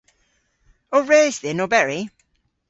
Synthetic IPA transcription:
ɔɹeːzðɪnɔbɛɹi

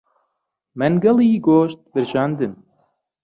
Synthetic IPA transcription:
mɛnɡɐlˠiːɡoːʃt̪̚bɨɾʒɑːnd̪ɨm

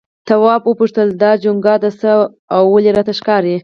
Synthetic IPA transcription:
t̪awɑbwəpuʂt̪əld̪ɑd͡ʒʊŋɡɑd̪asə | awːaleɾɑt̪aʃkɑɾi

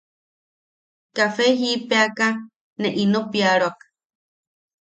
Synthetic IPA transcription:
kafeɦipeaka | neʔinopiaɺoakḁ

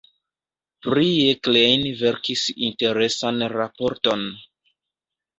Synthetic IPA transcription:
pɾieklejnve̞ɾkisḭnte̞ɾe̞sanɾapo̞ɾto̞n

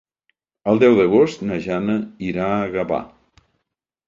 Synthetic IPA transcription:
əlˠd̪ɛwðəɣ̞ost̪nəʒanəiɾaəɣəβa̰

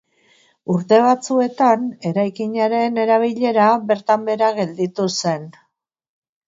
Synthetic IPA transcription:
uɾt̪e̞β̞at͡sue̞t̪ane̞ɾajkiɲaɾe̞ne̞ɾaβ̞iʎe̞ɾaβe̞ɾt̪ambe̞ɾaɣe̞ld̪it̪use̞n

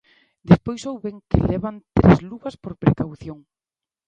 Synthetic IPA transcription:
d̪espojsowβeŋkɪ̰leβant̪ɾezluβaspoɾpɾekawθjoŋ

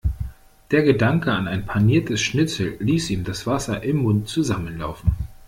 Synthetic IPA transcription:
d̥eːɐɡədaŋkəanaɪnpʰaniːɐtʰəsʃnɪt͡sl̩ːiːsʔiːmdasv̥asɐʔɪmːʊntt͡suzamənla̰ʊfn̩

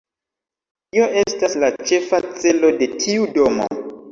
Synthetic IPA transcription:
io̞ʔe̞staslat͡ʃe̞fat͡se̞lo̞de̞tʰiudo̞mo̰

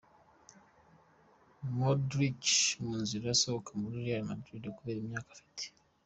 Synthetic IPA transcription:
modɾit͡ʃmuːnziɾojasoβokamuɾuɾiaɾima̰dɾidokuβeːɾimjaːkḁfi̥te̥

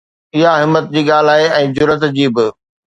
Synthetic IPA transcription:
ɪɦaɦɪmːət̪̚d͡ʑiːɠaːl̤aːɦeɛ̃ːd͡ʑʊɾət̪d͡ʑiːbɪ

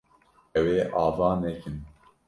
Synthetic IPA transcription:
ɛweːʔɑːvɑːnɛkɨn

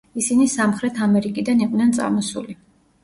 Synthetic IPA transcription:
isinisamχɾɛt̪ʰamɛɾikʼid̪aniqʼvnɛnt̪sʼa̰mɔsuli

